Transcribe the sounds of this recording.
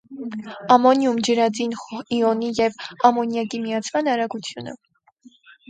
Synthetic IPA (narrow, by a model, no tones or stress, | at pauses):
ɑmɔnjumd͡ʒəɾɑd͡ziniɔnijɛvɑmɔnjɑkimijɑt͡sʰmɑnɑɾɑɡut͡sʰjunə̰